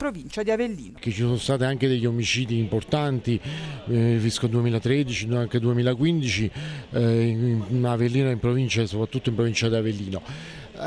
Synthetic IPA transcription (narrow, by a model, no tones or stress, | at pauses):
pɾovint͡ʃad̪iavelːḭːnk̟et͡ʃːisonost̪aːt̪iaŋk̟ed̪eʎːomit͡ʃiːd̪iːmport̪ant̪i | fiskod̪uemiːlat̪ɾed̪it͡ʃiaŋked̪uemiːlakwind̪it͡ʃi | mnavelːiːnoimpɾovint͡ʃaesːopɾat̪ːut̪ːoimpɾovint͡ʃad̪iavelːiːno